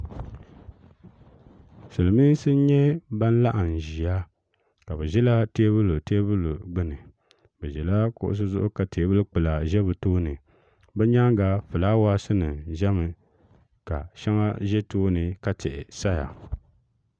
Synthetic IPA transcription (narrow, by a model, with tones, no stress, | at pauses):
sɨ˨lɨ˨miː˦sɨ˦n˦ɲɛ˦ba˦n̩˦la˦ʔa˨n˨ʒi˨a˦ | ka˨bɛ˨ʒɛ˦la˦teː˦bɨ˦lo˨teː˦bɨ˦lu˨ɡ͡bɨ˦nɨ˨ | bɛ˨ʒɛ˨la˦kʊ̰˦˨ʔʊ̰˦s̬ɨ˦zʊ˦ʔʊ˦ka˨te˨˦bɨ˦lk͡pɨ˨la˨ʒɛ˦βɨ˨toː˦nɨ˨ | bɛ˦ɲa˦ŋɡa˨fɨ˨laː˦wa˦sɨ˦nɨ˨ʒɛ˦mɨ˨ | ka˨ʃa˦ŋa˦ʒɛ˦toː˦nɨ˨ka˦tɛ˨ʔɪ̰˨sa˦ja̰˨